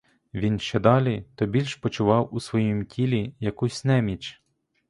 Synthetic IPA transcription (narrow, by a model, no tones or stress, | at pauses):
ʋʲinʃt͡ʃɛd̪ɑlʲit̪ɔbʲilʲʃpɔt͡ʃʊʋɑwusʋɔjimtʲʰilʲijɐkusʲnɛmʲit͡ʃ